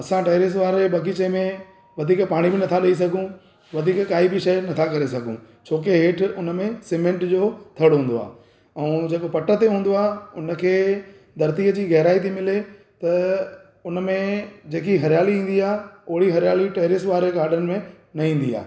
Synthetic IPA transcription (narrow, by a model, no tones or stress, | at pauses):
ɐsãʈeːɾɪs̬ʋaːɾeɓɐɡit͡ɕemẽ | ʋɐd̪ʱiːkpaːɽ̃ibɪnɐt̪ʰaɗɐis̬ɐɡʱũ | ʋɐd̪ʱiːkkaːibɪʃɐjnɐt̪ʰakɐɾesɐɡʱũ | t͡ɕʰoːkeɦeːʈʰʊnə̆mẽsemẽɳʈd͡ʑoːt̪ʰɐɽɦũːnd̪oa̰ː | ɛ̃d͡ʑeːkopɐʈə̆t̪eɦũːn̆d̪oaːɦeʊnə̆kʰeː | d̪ʱɐɾt̪iəd͡ʑiːɣɐɦɪɾaːit̪ʰimɪle | t̪ɐ | ʊnə̆mẽd͡ʑeːkiɦɐɾɪjaːliĩːn̆d̪iaːɦʊɦɪɽiɦɐɾɪjaːliʈeːɾɪsʋaːɾeɡaːɾɖənɪ̆mẽ | nɐĩːn̆d̪ia̰ːɦ